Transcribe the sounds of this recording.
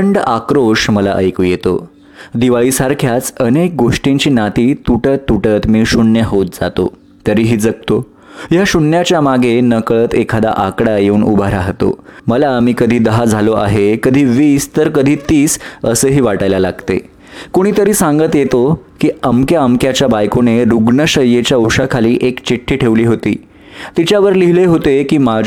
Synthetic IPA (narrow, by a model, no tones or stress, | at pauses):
əɳɖakɾoʂməla̰ʔə̰jkuːjet̪o̰ | d̪iʋaɭiːsaɾkʰjat͡sənek̚ɡoʂʈĩɲt͡ɕiːnat̪iːt̪uʈət̪ːuʈət̪miːɕunːjəɦot̪̚d͡zat̪o̰ | t̪əɾiːɦiːd͡zəɡ̚t̪o | jaɕuɳːjat͡ɕjamaɡʱenəkɭət̪ekʰad̪a̰ʔakɽajeuːnṵbʱaɾaɦt̪o̰məlaːmiːkəd̪ʱiːd̪əɦad͡zʱaloʔa̰ɦekəd̪ʱiːʋiːst̪əɾkəd̪ʱiːt̪iːsəsəːɦiːʋaʈəjlalaɡt̪ḛ | koɽ̃iːt̪əɾiːsãŋɡət̪jet̪okiːəmkjaəmkjat͡ɕjabajkoneɾuɡɳəɕəjːet͡ɕjaupʂakʰaliːʔekt͡ɕiʈʰːiːʈʰeʋliːɦot̪iː | t̪it͡ɕjaʋəɾliɦileɦot̪ekiːma